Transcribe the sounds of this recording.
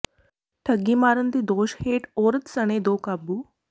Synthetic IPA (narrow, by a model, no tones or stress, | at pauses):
ʈʰəɡːimaːɾənt̪iːd̪oːɕheːʈoːɾət̪səɽ̃ed̪oːkabuː